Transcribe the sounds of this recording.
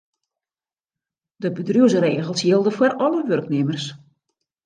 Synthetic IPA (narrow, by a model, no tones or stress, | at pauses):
dəbədruəzəreːɣəlˠsjilˠdəfwərʔɔləʋørknɪmərs